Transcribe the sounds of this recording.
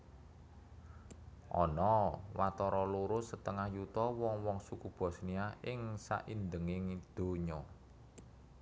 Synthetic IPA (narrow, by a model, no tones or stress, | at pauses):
ʔɔ̰nɔwat̪ɔɾɔluɾʊsət̪əŋahjut̪ɔwɔŋwɔŋsukub̥ɔ̤sniaʔɪŋsa̰ʔind̪əŋɪŋd̪̥o̤ɲɔ